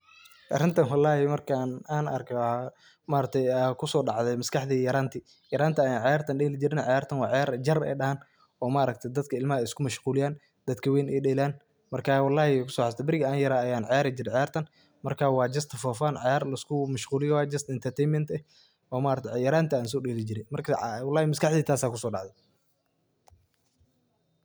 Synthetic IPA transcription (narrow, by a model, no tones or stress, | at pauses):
ʔɐrɪnt̪ʰɐnwɑlːɑːhɪmɐrkʰanaːnɐ̰rkʰɛw | maːɾɐk̚t̪ʰɛjkʰʊsɔːɖɑʕðɛmɐskʰɑħd̪iːjɐɾaːnt̪ʰɪ | jɐɾaːnt̪ʰiɐjaːnʕɑjaːrt̪ʰɐnɗɛːlɪd͡ʒɪɾɪnɐʕɑjaːrt̪ʰɐnwɑːʕjaːɾd͡ʒɐrɛ̰jɗɐhaːn | ɔːmaːɾɐk̚t̪ʰɐjd̪ɐd̪kʰɐɪlmɐɐɪskʰʊmɐʃquːlɪjaːn | d̪̥ɐd̪kʰɐwɛjnɛjɗɛːlaːn | mɐrkʰaːwɑlːɑːhɪɛkʰʊsɔːħɑst̪ʰɛbɪɾɪɣɐaːnjɐɾaɐjaːnʕɑjaːɾɐd͡ʒɪɾɛʕɑjaːrt̪ʰɐn | mɐrkʰaːwɑːd͡ʒɐst̪ʰfɔːfaːnʕɑjaːrlɐɪskʰʊmɐʃquːlɪjɔwɑːd͡ʒɐst̪ɪnt̪ʰɐrt̪ʰɛjnmɛnt̪ɛ | ɔːmaːɾɐk̚t̪ʰʕjɐɾaːnt̪ʰɐaːnsɔːɖɛːlɪd͡ʒɪɾɛmɐrkʰɐwɑlːɑːhɪmɐskʰɑħd̪iːt̪ʰaːsaːkʰʊsɔːɖɑʕðɛ